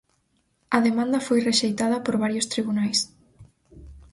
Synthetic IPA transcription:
ɐðemãnd̪ɐfojreʃejt̪aðɐpoɾβaɾjost̪ɾiβunajs

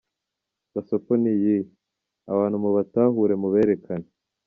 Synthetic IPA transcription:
ɡasoponiji | a̰βaːn̥humuβataːɦuɾe̞muβeːɾekʰane

